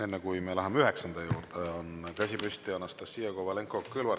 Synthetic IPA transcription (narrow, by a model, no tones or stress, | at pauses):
enːekujmelɑɦɑmeyɦeksɑnd̪̥ɑjuːrd̪̥eonkɑsʲipysʲt̪iɑnːɑst̪ɑsːiːjɑkovɑleŋkːˑokːɨlvɑ